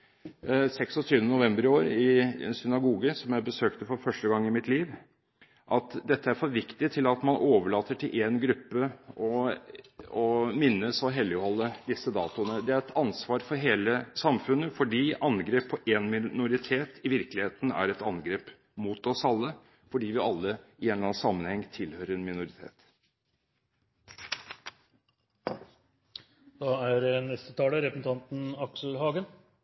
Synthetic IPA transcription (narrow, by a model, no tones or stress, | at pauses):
sɛksɔt̪ʰyːʋənənʊʋɛmbəɾɪoːɾɪɛ̰nsʏnɑɡuːɡəsɔmjæɪbəsøːkt̪əfɔɾfœʂʈəɡɑŋːɪmɪt̪liːʋ | ʔɑt̪d̪ɛt̪ːəæɾfɔɾʋɪkt̪ɪt̪ʰɪlɑt̪mɑnʔoːʋəɭɑːt̪ːəʈʰɪlʔeːnɡɾʉpːəɔ | ɔmɪnːəsɔɦɛlːɪɔhɔlːəd̪ɪsːəd̪ɑ̰ːt̪ʊənəd̪ɛæɾɛt̪ʰɑnsʋɑːɾfɔɾɦeːləsɑmfʉnːəfɔɖiːʔɑnɡɾeːpʰːɔʔɛːnmɪnʊɾɪt̪ʰeːt̪ʰɪʋɪɾklɪheːt̪n̩æ̰ɾɛt̪ɑnɡɾeːp | muːt̪ɔsɑlːə | fɔɖiːʋɪɑlːəɪɛːnlɑnsɑmːənhɛŋːt̪ʰɪlhøːɾəɾɛnmɪnʊɾɪt̪ʰḛːt̪ | d̪̥ɑæɾnɛst̪ət̪ʰɑːləɾɛpəsn̩t̪ʰɑnt̪n̩ɑksl̩hɑːɡən